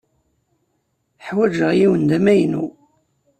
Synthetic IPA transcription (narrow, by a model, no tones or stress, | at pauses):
ħwæd͡ʒəʁjiwənd̪æmæjnṵ